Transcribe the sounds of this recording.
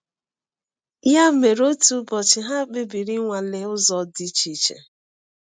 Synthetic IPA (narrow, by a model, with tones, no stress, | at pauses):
ja˦me˨ɾo˦tu˦bɔ˨t͡ʃɪ˨ɦa˦k͡pɪ˦bi˨ɾi˦ŋʷa˨lɪ˨ʊ˦zɔ˨di˨t͡ʃi˨t͡ʃḛ˨